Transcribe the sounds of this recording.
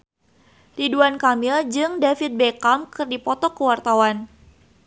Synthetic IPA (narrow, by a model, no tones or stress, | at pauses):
tiduankamild͡ʒɨŋdafit̪̚bekamkɨrdipɔt̪ɔkəwart̪awan